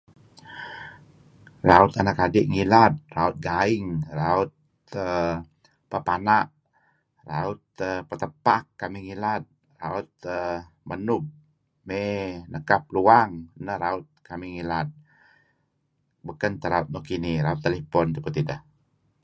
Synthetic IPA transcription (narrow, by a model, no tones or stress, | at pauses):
raʊt̪anakadɪʔŋilat̪̚raut̪̚ɡaɪŋraʊt̪̚ | ə | pəpanaʔ | ra̰ʊt̪ːəpət̪əpakːamiŋilat̪̚ | raut̪̚ə | mənʊp̚ | menəkap̚luaŋnəhɾaʊt̪̚kamiŋilat̪̚ | bukant̪əɾaut̪̚mohkiniɾaut̪ːəlepɔnt̪əpət̪idəh